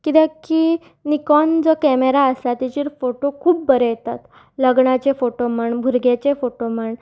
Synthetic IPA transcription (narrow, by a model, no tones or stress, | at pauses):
kit̪ɛ̃ki | nikɔnd͡zɔkɛmeɾaəsat̪it͡ɕiːɾfoʈokʰuːpːəɾejet̪at̪ | ləɡɳat͡ɕefoʈoməɳbʱuɾɡet͡ɕefoʈom̤əɳ